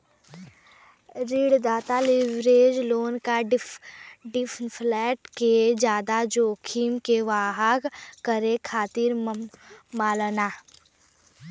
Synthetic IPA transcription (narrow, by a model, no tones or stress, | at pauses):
ɾiːɽd̪aːt̪alɪʋɾeːd͡ʒloːnkaɖ | ɖɪpʰpʰlɛːʈked͡ʒjaːd̪ad͡ʒoːkʰiːmkeʋaːɦaɡkəɾekʰaːt̪iɾ | maːlənaː